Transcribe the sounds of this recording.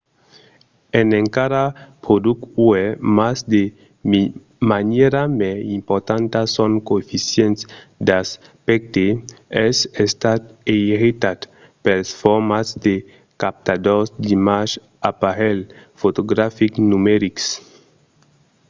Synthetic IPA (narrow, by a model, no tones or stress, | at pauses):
eneŋkaɾapɾod̪ukuemasd̪e | mi | maneɾameimpoɾt̪ant̪asoŋkoefisjent̪sd̪aspek̚t̪eɛsest̪at̪eiɾit̪at̪ | pelsfoɾmasd̪e | kap̚t̪ad̪osd̪imaʃ | apaɾelfot̪oɡɾafiknumeɾiks